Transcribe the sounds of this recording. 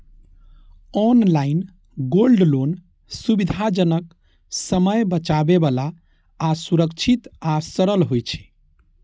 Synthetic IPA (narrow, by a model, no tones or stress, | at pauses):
ɔnlain | ɡolɖlon | subid̪ʱad͡ʒənək | səməjbət͡ʃabebalaː | suɾəkt͡ʃʰit̪asəɾəlɦojt͡ʃʰɛ̥